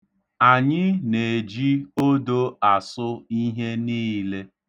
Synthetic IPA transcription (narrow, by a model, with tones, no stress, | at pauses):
a˨ɲɪ˦ne˨e˨d͡ʒi˦o˦do˦a˨sʊ˦i˦ɦe˦niː˦le˦